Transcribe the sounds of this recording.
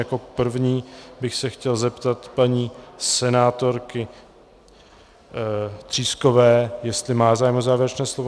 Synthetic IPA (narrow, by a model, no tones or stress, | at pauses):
jako̞pr̩vɲiːbɪxsɛxcɛlzɛpt̪at̪paɲiːsɛnaːt̪o̞ɾkɪ | t̪r̝̥iːsko̞vɛːjɛst̪lɪmaːzaːjmozaːvjɪɾɛt͡ʃnɛːslovo